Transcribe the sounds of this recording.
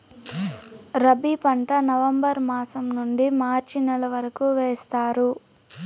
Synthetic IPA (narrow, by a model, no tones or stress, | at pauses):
ɾɐbipɐɳʈɐnɐʋɐmbɐɾmaːsɐmnuɳɖimaːɾt͡ʃinɛlɐʋɐɾɐkuʋeːst̪aːɾu